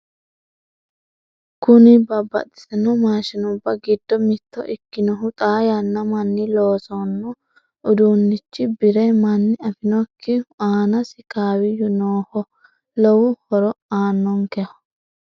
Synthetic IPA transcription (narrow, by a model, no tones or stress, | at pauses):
kʊnɪbɐbːɐ̰t̪ʼːɪ̥sɐnɔmaːʃɐnɔʊbːɐɡɪd̪̥ːɔmɪt̪ːɔ̰ʔɪkːɪnɔɦʊt̪ʼaːjɐnːɐmɐnːɪloːsɔnːɔ | ʔʊd̪unːɪt͡ʃːɪbɪɾɐjmɐnːɪɐfɪnɔkːɪaːnɐsɪkaːwɪjʊnoːhɔ | lɔwʊhɔɾɔaːnːɔŋkɛhɐ̥